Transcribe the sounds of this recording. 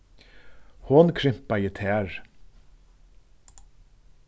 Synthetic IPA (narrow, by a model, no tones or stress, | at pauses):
hoːnkʰɾɪmpɑiːt̪ʰeːæɹ